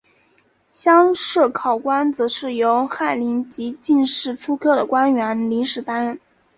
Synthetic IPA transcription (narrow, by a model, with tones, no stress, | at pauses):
ɕjɑ˥ŋʂɻ̩˥˩kʰɑ˨˩ʊkwa˥nt͡sɤ˧˥ʂɻ̩˥˩jo˧˥ʊxa˥˩ɪli˧˥nt͡ɕi˧˥t͡ɕi˥˧nʂɻ̩˥˩ʈ͡ʂʰu˥kʰɤ˥˩d̪ə˩kwa˥nɥɛ˧˥nli˧˥ŋʂɻ̩˨˩t̪a˥nɻə˥˩n